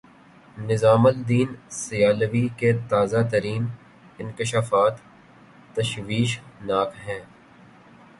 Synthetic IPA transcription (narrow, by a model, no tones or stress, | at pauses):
nɪzaːməld̪iːnsɪjaːləʋiket̪aːzat̪əɾiːn | ɪnkɪʃaːfaːt̪ː | ɐʃʋiːʃnaːkɦɛ̃ː